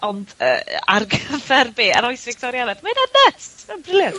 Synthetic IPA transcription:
ɔndə̰ːa̰rɡəvɛrbeːaɾɔjsvɪk̚tʰɔɾjanɛd̥maɨnadnətɛbrɪlˠjə

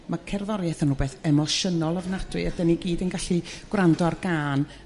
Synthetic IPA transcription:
makʰɛrðɔɾjɛθənhuːbeːθɛmɔʃənɔlˠəvnad̥rɨadɛniɡiːdənɡaɬiɡ̥wrandɔarɡaːn

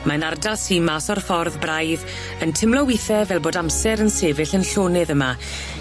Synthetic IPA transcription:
manardasimaːsɔrfɔrðbrajð | əntʰɪmlɔwiθɛvɛlˠboːdamsɛɾənseːvɪɬənɬoːnɛðəma

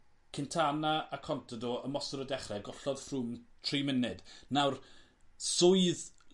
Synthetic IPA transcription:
kʰɪntʰanaakʰɔntʰɔdɔəmɔsɔɾədɛχrɛɡɔɬɔð̥fruːmtʰrimɪnɨdnawr | sʊɨð

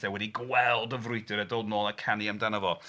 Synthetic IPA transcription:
θɛwɛdiɡwɛlˠdəvrʊjdɨɾɛdɔdnɔːlˠakʰaniamdanavɔ

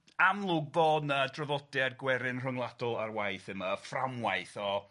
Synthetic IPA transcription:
amlˠʊɡ̚boːdədrəvɔdarɡwɛɾɪnr̥əŋlˠadɔlˠarwajθɪmaframwajθɔ

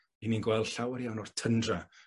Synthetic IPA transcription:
ininɡwɛlˠdɬawəɾjawnɔrtʰəndra

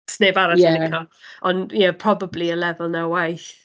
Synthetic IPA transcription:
sneːbaɾaɪkʰɔʔɔnjɛpʰr̥ɔbabliəlɛvəlˠnawwajθ

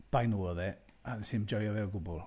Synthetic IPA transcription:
b̥ajnuːɔðɛ | ansɪmd͡ʒɔjɔvɛwˠɡʊbʊlˠ

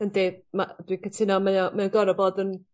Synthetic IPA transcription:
əndemad̥wikʰətʰɪnɔmaɔmɛɔnɡɔɾɔboːdən

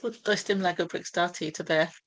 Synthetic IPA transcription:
əd̥ɔɪstɪ̃mlaɡəbɹɪkstɑːˑtʰitʰəbɛː

